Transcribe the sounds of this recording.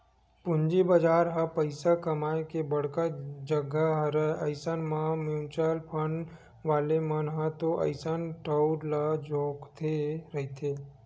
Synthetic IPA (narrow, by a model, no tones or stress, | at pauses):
pʊɲd͡ʒibəd͡ʒaːɾɦapəɪsakɐmaːjkebɐɽ̤kad͡ʒəɡaɦɾəəɪsənmãmjũːt͡ʃalpʰəɳ | ʋaːlemənɦãt̪oʔə̰ɪsənʈəʊɾlad͡ʒoːkt̪ʰeɾɐɦit̪ʰeː